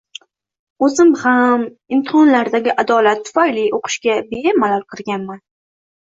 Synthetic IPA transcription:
ɵzɪmhamɪmt̪ʰɪhɒnlaɾd̪aɡʲɪʔad̪ɒlat̪ʰːʊ̥fajlɪʔoqʰɨ̥ʃkʲabemːalalˠqʰɨɾɡʲanman

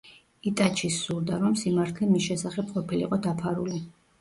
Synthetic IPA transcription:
it̪ʼat͡ʃʰisuld̪aɾɔmsimaɾt̪ʰlɛmisʃɛsaχɛp̚ʰqʼɔpʰilḭqʼɔd̪apʰaɾuli

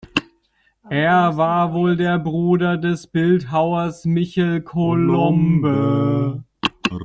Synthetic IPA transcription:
ʔeːɐvaːɐvoːldeːɐbʁuːdɐdɛsb̥ɪltɦaʊɐsmɪçəlkʰolɔmbə

